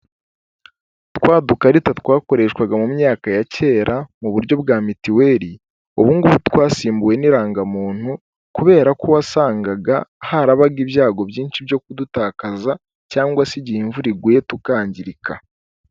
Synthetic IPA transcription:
twaːdukaɾitat̪waːko̞ɾe̞ʃkwaɡamumɲaːkajace̞ːɾʔamuβuɾɟo̞bɡaːmitiwe̞ɾi | uβuŋɡuβutwaːsiːmbuwe̞niɾaːŋɡamuːn̥hu | kuβe̞ːɾakuwasaːŋɡaɡahaɾaβaɡibjaːɡo̞bjiːnʃibjo̞k̚udutaːkaza | caːŋɡwasiɟihiɱvuɾiɡwetukaːɲɟiɾikʰa

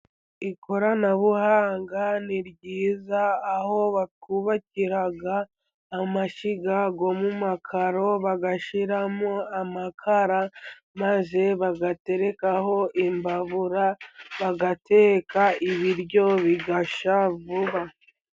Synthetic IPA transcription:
ikʰo̞ɾanaβuhaːŋɡaniɾɟiːzaːho̞βakuβaciɾaɡaː | maʃiɡaɡo̞mumakʰaɾo̞βaɡaʃiɾamoamakʰaɾa | maze̞βaɡate̞ɾe̞kaho̞ʔimbaβuɾaβaɡatʰe̞ːkaiβiɾɟo̞βiɡaʃavuβa

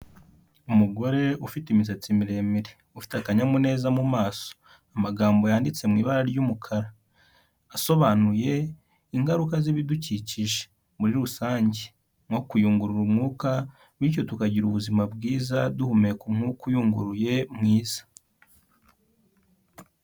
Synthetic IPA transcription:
umuɡo̞ɾe̞ufitimis̬et͡simiɾe̞ːmiɾe | ufi̥takaɲamune̞ːzamumaːso̥ | amaɡaːmbo̞jaːndit͡se̞mŋiːβaɾaɾjumukʰaɾa | aso̞βaːnuje̞ | iŋɡaɾukaziβiduciciʒe̥ | muɾiɾusaːɲɟe | ŋo̞kujuːŋɡuɾuɾumŋuːka | mwiːc̬o̞tukaɟiɾuβuzimabɡiːzaduhumekumŋ̥ukujuːŋɡuɾuje̞mŋiːz̥ḁ

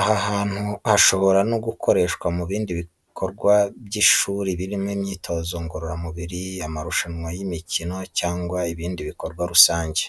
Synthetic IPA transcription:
ahahaːn̥huhaʃo̞βo̞ɾanoɡukʰo̞ɾe̞ːʃkwamuβiːndiβi | kʰo̞ɾɡwabɟiʃuːɾiβiɾimŋimɲiːtʰo̞ːzoŋɡoɾoɾamuβiɾiamaɾuʃaɲŋwajimicino̞caːŋɡwaiβiːndiβiko̞ɾɡwaɾusaːɲɟe

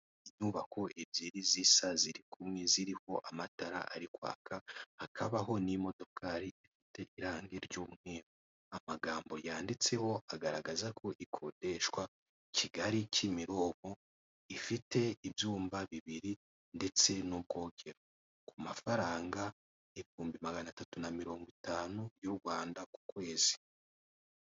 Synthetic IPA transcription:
iɲuːβakʰo̞ʔebjiɾizisaziɾikumŋeziɾiho̞ʔamataɾa̰ʔa̰ɾikwa̰ːkahakʰaβaɦo̞nimo̞to̞kʰaɾiifite̞ʔiɾaːŋɡeɾɟuːmŋeːɾo | amaɡaːmbo̞jaːndit͡se̞ho̞aɡaɾaɡazakʰo̞ʔikʰo̞de̞ʃkwa | ciɡaɾicimiɾo̞ːmo̞ | ifite̞ibjuːmbaβiβiɾi | nde̞t͡se̞nub̚ɡo̞ːɡe̞ɾo | kumafaɾaːŋɡa | eβihuːmbimaɡanatatunamiɾo̞ːŋɡwitaːnujuɾɡwaːndaku̥kwe̞ːz̥i̥

